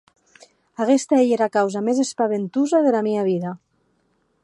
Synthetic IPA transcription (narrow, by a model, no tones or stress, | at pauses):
aɣest̪aeʎeɾakawzamezespaβent̪uzaðelameaβ̞iða